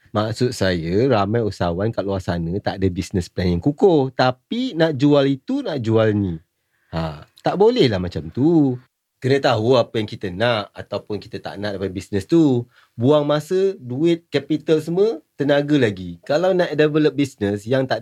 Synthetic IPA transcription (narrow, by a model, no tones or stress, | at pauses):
maksʊt̪̚sajəɾamãjusawankaʔ̚luasanə̃t̪aʔdəbisnəsplɛnjaŋkukʊht̪apinãʔd͡ʒualit̪unãʔd͡ʒualnĩ | at̪aʔbolɛhlahmat͡ʃamt̪u | kənə̃t̪aɦuapəjaŋkit̪ənaʔa̰t̪awpʊnki̥t̪ət̪a̰ʔnãʔdəpadbisnəst̪u | buaŋmasəduɪt̪̚kɛpit̪əls̬əmət̪ənaɡəlaɡikalawnãʔdevələp̚bisnəsjaŋt̪aʔ